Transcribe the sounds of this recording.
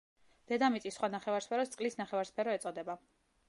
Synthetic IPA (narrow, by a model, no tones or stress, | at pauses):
d̪̥ɛd̪amit̪sʼisːχwanaχɛvaɾspʰɛɾɔst̪sʼqʼlisnaχɛvaɾspʰɛɾɔɛt̪sʼɔd̪ɛba